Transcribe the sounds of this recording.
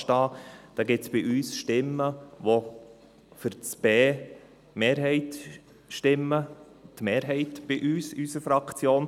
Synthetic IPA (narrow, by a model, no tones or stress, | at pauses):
tɑːd̪̥ɑːɡɪt͡sb̥ɪʔyːsʃtɪmːəʋo | fʏɾt͡sb̥eː | meːɾɦɛɪt | ʃtɪmːə | tmeːɾɦɛɪtb̥ɪʔyːsysəfɾɑkt͡sjoːn